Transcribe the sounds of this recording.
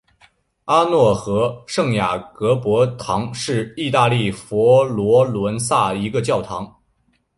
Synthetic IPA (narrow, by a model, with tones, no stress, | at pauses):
a˥nwɔ˥˩xɤ˧˥ʂɤ˥˩ŋja˨˩kɤ˧˥pwɔ˧˥t̪ʰɑ˧˥ŋʂɻ̩˥˧i˥˧t̪a˥˧li˥˩fɔ˧˥lwɔ˧˥lwə˧˥nsa˥˩i˧˥ɡə˧t͡ɕjɑ˥˩ʊt̪ʰɑ˧˥ŋ